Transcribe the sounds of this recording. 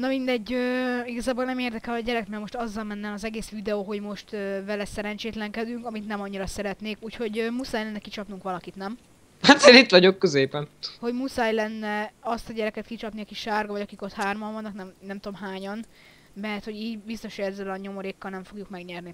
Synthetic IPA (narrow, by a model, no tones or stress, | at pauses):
nɒmind̪ɛɟːøːiɡɒzaːbolnɛmeːrd̪ɛkɛlɒɟɛɾɛkt̪mɛrmo̞ʃt̪ɒzːɒlmɛnːɛlɒzɛɡeːsʋid̪ɛoːɦo̞ɟmo̞ʃt̪øːvɛlɛsɛɾɛnt͡ʃeːt̪lɛŋkɛd̪yŋkɒmit̪nɛmɒɲːiɾɒsɛɾɛt̪neːkuːcho̞ɟømusaːjlɛnːɛkit͡ʃɒpnuŋkʋɒlɒkit̪nɛm | hat̪zeːnit̪ʋɒɟo̞kːøzeːpɛnho̞ɟmusaːjlɛnːɛɒst̪ɒɟɛɾɛkɛt̪̚kit͡ʃɒpniɒkiʃaːrɡɒvɒɟɒkiko̞t̪haːrmɒɱvɒnːɒknɛmnɛmt̪oomɦaːɲɒn | mɛrt̪ho̞ɟiːɟbist̪o̞ʃoɟɛzːɛlɒɲo̞moɾeːkːɒlnɛɱfo̞ɡjukmɛɡɲɛrni